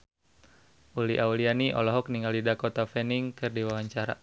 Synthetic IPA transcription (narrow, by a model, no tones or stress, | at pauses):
ʔuliʔaulianiʔɔ̰lɔɦɔk̚niŋalidakɔt̪afɛniŋkɨrdiwawaɲt͡ʃaɾa̰